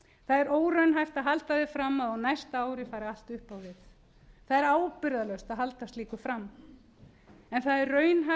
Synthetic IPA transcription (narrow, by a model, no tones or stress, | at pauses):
θaðɛɾoːwrœɥnɦajft̪aðɦalt̪aðɪfɾamːaðɔɣnajst̪aaːwɾɪfaːɾaal̥t̪ʏhpawvɪθ | θaðɛɾaːwpɪɾðalœɥwst̪aðɦalt̪ast̪liːkʏfɾam | ɛnθaðɛɾrœːɥnɦa